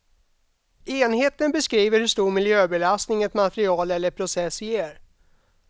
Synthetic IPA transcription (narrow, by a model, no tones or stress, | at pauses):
eːnheːt̪ənbɛskɾiːvəɾhɵʂt̪uːɾmɪljøːbɛlast̪nɪŋɛt̪mat̪ɾɪɑːlɛlːəpʰɾʊsɛsːɪjeːɾ